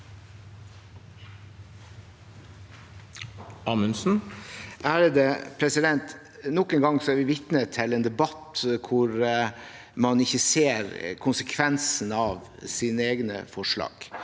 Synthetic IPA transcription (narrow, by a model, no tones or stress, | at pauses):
ɑːmʉnsn̩ | æːɾd̪ɛpʰɾɛsɪd̪ɛnt̪ | nɔkənɡɑŋsɔæːɾʋɪʋɪt̪nət̪ʰːɪleːnd̪ɛbɑt̪kʰʊɾ | mɑnɪçəseːɾkʰʊnsəkʰʋɛnsn̩ɑːʋsinəeːɡnə̰fɔʂɭɑ̰ːɡ̥